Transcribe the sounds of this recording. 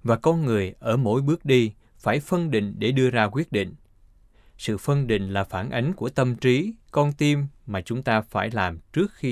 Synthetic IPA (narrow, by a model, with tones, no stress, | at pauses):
vaː˨˩kɔ˧nŋɨ˨˩əjʔəː˧˩mo̰˧˥jɓɨ˦˥ək̚ɗi˧ | faː˧˩jfə˧nɗḭ̈˧˨ŋ̟ɗe˧˩ɗɨ˧əzaː˧kwi˦˥ət̚ɗḭ˧˨ŋ̟ | sɨ̰˧˨fə˧nɗḭ̈˧˨ŋ̟laː˨˩faː˧˩nʔa˨˦jŋ̟ku˧˩ət̪ə˧mt͡ɕi˨˦kɔ˧nt̪i˧mːmaː˨˩t͡ɕʊ˨˦ŋ͡mt̪aː˧faː˧˩jlaː˨˩mt͡ɕɨ˦˥ək̚xi˧